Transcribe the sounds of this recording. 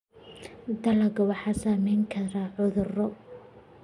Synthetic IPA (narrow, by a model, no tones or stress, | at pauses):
d̪ɐlɐɡɔwɑħɑːsaːmɛjŋkʰɐɾaːʕʊðʊrɔ